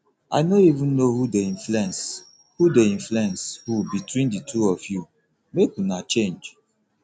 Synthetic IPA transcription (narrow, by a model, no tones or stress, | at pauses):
a̰ɪnoivũnːohudeĩnflɛ̃ns | hudeĩnfluɛ̃nshubitwĩnditʰuɔfju | mekunat͡ʃẽnd͡ʒ